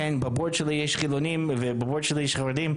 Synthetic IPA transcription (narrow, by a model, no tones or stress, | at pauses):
enbaboɹd̪ʃelijɛʃχilonimvebabod̪ʃelijɛʃχaʁed̪im